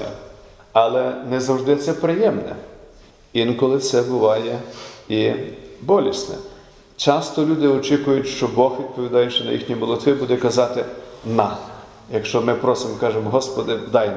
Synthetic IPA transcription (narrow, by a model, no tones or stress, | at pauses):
ɐlˠɛnɛzɐwʒd̪ɪt̪sɛpɾɪjɛmnɛ̰ | inkɔlˠɪt̪sɛbʊʋɑjɛibɔlʲisʲnɛ̰ | t͡ʃɑst̪ɔlʲud̪ɪɔt͡ʃikʊjʊtʲʃt͡ʃɔbɔxʋʲid̪̚pɔʋʲid̪ɑjʊʃt͡ʃɔnɐ̰jḭxnʲimɔlˠɔt̪ʋɪbud̪ɛkɐzɑt̪ɪnɑ | jɐkʃt͡ʃɔmɪpɾɔsɪmkɑʒemɦɔspɔd̪ɪd̪ɑj